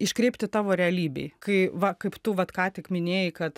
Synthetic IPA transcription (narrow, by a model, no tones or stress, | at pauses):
ɪʃkɾʲɛɪpʲt̪ʲɪt̪ɑːʋoːɾʲɛɐlʲiːbʲḛɪkɐɪʋɐkɐɪpt̪ʊʋɐt̪kɑːt̪ʲɪkmʲɪnʲeːjɪkɐt̪